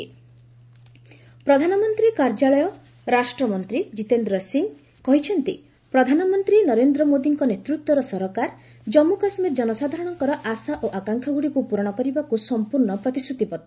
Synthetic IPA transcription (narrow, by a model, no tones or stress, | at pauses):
pɾɔd̪ʱanɔmɔnt̪ɾikaɾd͡ʒaɭɔjɔ | ɾasʈɾɔmɔnt̪ɾid͡ʒit̪end̪ɾɔsiŋ | kɔɦit͡ʃʰɔnt̪ḭ | pɾɔd̪ʱanɔmɔnt̪ɾinɔɾend̪ɾɔmod̪iŋkɔnet̪ɾut̪wɔɾɔsɔɾɔkaɾ | d͡ʒɔmːukasmiɾd͡ʒɔnɔsad̪ʱaɾɔɽ̃ɔŋkɔɾɔʔasaʔoʔakaŋkʰjɔɡuɽikupuɾɔɽ̃ɔkɔɾibakusɔmpuɾɳɔpɾɔt̪isʰut̪ipɔt̪